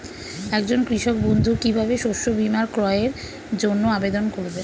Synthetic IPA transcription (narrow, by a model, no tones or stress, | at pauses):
ɛk̚d͡ʑonkɾiʃok̚bond̪ʱukibʱabeʃoʃobimaɾkɾɔeɾ | d͡ʑonːoabed̪onkoɾbe